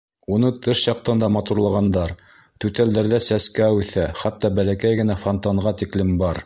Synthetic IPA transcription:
unɤt̪ɤʃjɑq̚t̪ɤnd̪ɑmɑt̪uɾlˠɑʁɑnd̪ɑɾ | t̪ʉt̪æld̪æɾðæsæskæwʉθæχæt̪ːɑbælækæjɡɘ̆næfont̪ɑɴʁɑt̪iklɘmbɑɾ

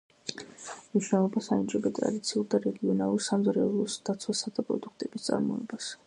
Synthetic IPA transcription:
mniʃwnɛlˠɔbasaint͡ʃʼɛbɛt̪ʼɾa̰d̪it̪sʰiuɾd̪aɾɛɡiɔnalˠuɾsamzɾɛɔblˠɔsd̪̥at̪sʰwasad̪̥apʼɾɔ̰d̪ukʰt̪ʼɛbist̪sʼa̰ɾmɔɛbas

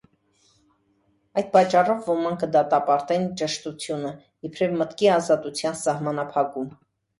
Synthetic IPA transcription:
ɑjd̪̚pɑt͡ʃːɑrɔvːɔmɑŋkʰəd̪ɑt̪ɑpɑɾt̪ɛnt͡ʃəʃt̪ut͡sʰjunə | jɛpʰɾɛvmət̪kiɑzɑt̪ut͡sʰjɑnsɑhmɑnɑpʰɑkum

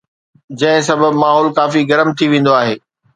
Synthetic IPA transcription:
d͡ʑɐ̃ɦɪ̃s̬ɐbəbmaːɦɔːlkaːfiɡɐɾəmt̪ʰiʋẽːn̆d̪oaːɦeː

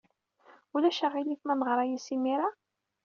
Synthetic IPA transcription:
ulæʃəʁiliθmænəʁɾˤɑjisimiɾa

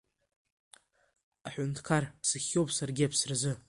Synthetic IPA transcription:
aħʷʊntʰkʰarsɨχʲːowpʰʼsarɡʲɪapʰsrzɨ

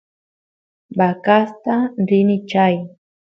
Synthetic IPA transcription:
bakast̪aɾɪnɪt͡ʃaj

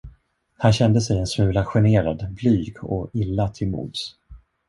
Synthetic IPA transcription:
hanɕɛnd̪əsɛjɛnsmʉ̟ːlaɧɛneːɾad̪blyːɡɔ̰ɪlːat̪ʰɪlmṵːd̪s

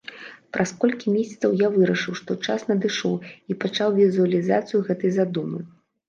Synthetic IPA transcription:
pɾʔaskɔlʲkʲimʲɛsʲɐt̪sɐwjavɨɾɐʂɨwʂt̪ɔt͡ʂasnɐd̪ɨʂɔwipat͡ʂawvʲizuɐlʲizat̪sɨjuɣɛt̪ɨjzad̪umɨ̰

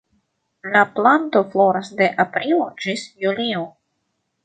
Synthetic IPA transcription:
laplant̪o̞flo̞ɾasd̪e̞ʔapɾilo̞d͡ʒisjulio

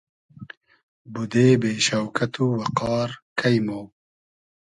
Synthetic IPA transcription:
bud̪eːbeːʃɐwkʰɐt̪ʰuːwɐqɑːɾkʰɐjmoː

